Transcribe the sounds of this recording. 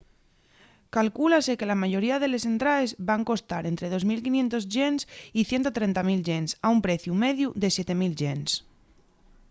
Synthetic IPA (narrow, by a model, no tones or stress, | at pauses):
kalkulase̞ke̞lamaʝo̞ɾiað̞e̞le̞se̞nt̪ɾae̞zbaŋko̞st̪aɾe̞nt̪ɾe̞ð̞o̞zmilkinje̞nt̪o̞zʝe̞nsiθje̞nt̪o̞t̪ɾe̞nt̪amilʝe̞nsaumpɾe̞θjume̞ðjuðe̞sje̞t̪e̞milʝens